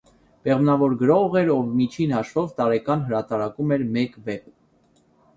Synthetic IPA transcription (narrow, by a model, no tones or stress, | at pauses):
pɛʁmnɑvɔɾɡəɾɔʁɛɾɔvmit͡ʃʰinhɑʃvɔvt̪ɑɾɛkɑnɦəɾɑt̪ɑɾɑkumɛɾmɛkvɛp̚